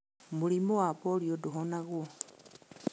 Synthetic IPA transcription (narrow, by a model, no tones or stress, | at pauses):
mulimowapoljoduɦonaɣu